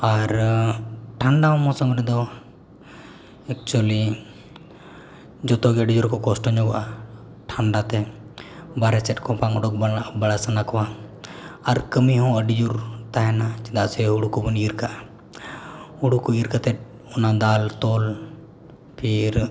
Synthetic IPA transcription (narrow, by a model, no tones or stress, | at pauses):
aɾ | ʈʰaɳɖaɦɔ̃mɔ̃sɔmɾɛd̪ɔ | ɛk̚t͡ʃuəli | d͡ʒɔt̪ɔɡɛəɖid͡ʒuɾkɔkɔsʈɔɲɔɡɔʔa | ʈʰaɳɖat̪ɛ | baɾɛsɛt̚kʰɔ̃paŋɔɖɔk̚baɽasənakɔwaː | ɾkəmiɦɔ̃əɖid͡ʒuɾt̪aɦɛnat͡ʃɛd̪aʔsɛuɽukɔbəniɾkaʔa | uɽukɔiɾkat̪ɛt̪̚ | ɔnad̪alt̪ɔl | pʰiɾ